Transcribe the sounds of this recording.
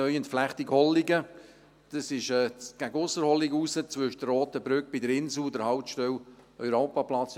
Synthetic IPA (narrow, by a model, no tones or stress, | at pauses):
œjəntflæχtiɡhɔlːiɡə | d̥ɑsɪʃɛːɡ̥æɡəʊsəɾhɔlɪɡusət͡sʋʏʃd̥əroːt̚əbɾʏk̚b̥ɪdəɾɪnsl̩dəɾhaʊptʃtœwlœʏɾoːpaplɑt͡s